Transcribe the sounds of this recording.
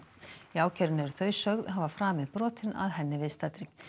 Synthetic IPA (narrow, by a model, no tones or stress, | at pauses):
jaːwcʰɛɾnɛɾθœːɥsœɣðɦavafɾaːmɪðpɾɔːt̪ɪna̰ðɦɛnːɪvɪðst̪at̪ɾɪ